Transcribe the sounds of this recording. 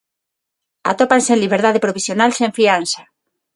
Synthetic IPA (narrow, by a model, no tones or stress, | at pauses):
a̰t̪opansenliβeɾðaðepɾoβisjonalsẽɱfiansḁ